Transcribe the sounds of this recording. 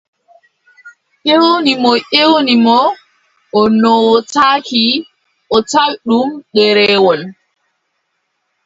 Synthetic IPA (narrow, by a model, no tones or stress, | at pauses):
ʔewonimɔʔewnimɔ | ʔɔnɔwtaːki | ʔɔtalɗumɗɛɾɛːwɔl